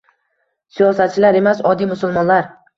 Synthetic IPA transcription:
sijɒsat̪̚t͡ʃʰɪlaɾe̞masɒd̪ijmʊsʊlmɒnlaɾ

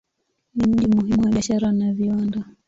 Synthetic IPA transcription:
nim̩ʄimuhimuwaɓiaʃaɾanaviwanda

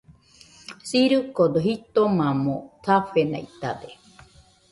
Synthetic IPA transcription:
siɾɨkod̪oɦit̪omamot̪ʰafena̰it̪ad̪e

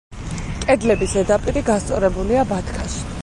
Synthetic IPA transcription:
kʼɛd̪lɛbisɛd̪apʼiɾiɡast̪sʼɔɾɛbuliabat̪ʰkʰaʃi̥

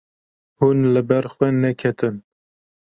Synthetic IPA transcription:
hunlɨbɛɾxwɛnɛkʰɛt̪ɨn

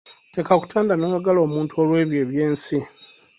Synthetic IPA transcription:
te̞kaku̥tʰaːndanoːjaɡalo̞ːmuːntuo̞lwe̞ːβje̞ːβje̞ːnsi

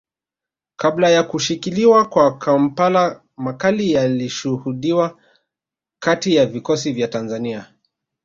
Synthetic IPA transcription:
kablajakuʃikiliwakwakam̩pala | makalijaliʃuhuɗiwa | katijavikɔs̬ivjatanzania

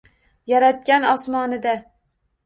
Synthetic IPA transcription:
jaɾat̪̚kʲanɒsmɒnɪd̪a

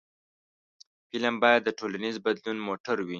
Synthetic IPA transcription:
filambɑjad̪ːəʈolanizbad̪lunmoʈaɾwi

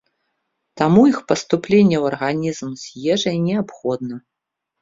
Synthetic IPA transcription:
t̪amuixpɐst̪uplʲenʲːɛwɐrɣanʲizmzʲjɛʐɐjnʲɛapxɔd̪̚nɐ

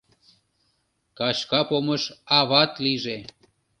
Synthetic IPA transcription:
kɑt͡ɕkɑpoməʃɑβɑt̪liʒe

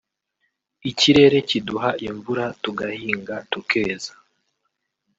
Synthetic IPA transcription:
iciɾe̞ɾe̞ciduɦaʔiɱvuɾatuɡahiːŋɡatukʰe̞ːzḁ

